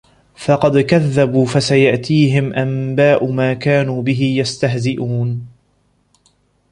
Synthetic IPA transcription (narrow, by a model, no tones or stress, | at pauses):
fɑqɑd̪kaðːabuːfasajaʔt̪iːɦɪmʔambaːʔʊmaːkaːnuːbɪɦɪjast̪aɦzɪʔuːn